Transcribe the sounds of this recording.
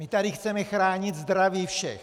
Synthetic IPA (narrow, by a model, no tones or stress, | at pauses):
mɪt̪adɪxt͡sɛmɛxɾaːɲɪt̪zd̪ɾaviːfʃɛ̰x